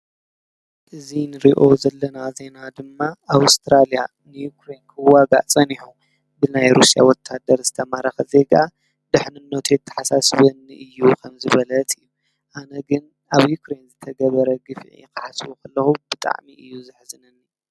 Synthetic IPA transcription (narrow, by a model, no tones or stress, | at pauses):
ʔɨzinɨɾiʔo̞zɐlːɐnaze̞nad̪ɨmːaʔaβst̪ʰɾalija̰ | nɨjukɾe̞nkʰɐwaɡa̰t͡sʼɐniħu | bɨnajɾusija̰wɔt̪ʰːad̪ɐɾzɨt̪ʰɐmaɾɐxɐze̞ɡa | d̪ɨħnɨnːɐt̪ʰet̪ʰːɐ̥ħasasβɐnːiʔɨjːukʰɐmzɨβɐlɐt̪ʰɨjːu | ʔanɐɡɨn | ʔaβjukɾe̞nzɨt̪ʰɐɡɐβɐɾɐɡɨfʕḭkɨħasβukʰɐlːɐxubɨt̪ʼa̰ʕmiʔɨjːuzɨħzɨnɐnːi